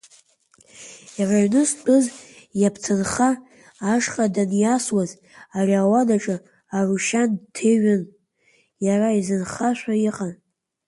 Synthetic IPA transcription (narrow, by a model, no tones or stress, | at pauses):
jaraɥnɨspʼɨz | japʰt͡sʰɨnχaː | ʂχʼadanjaswaz | arʲiawadaʈ͡ʂʼɨ | aruʃantʰeɥɪn | jaraizɨnχaʃʷᶣaiqʼan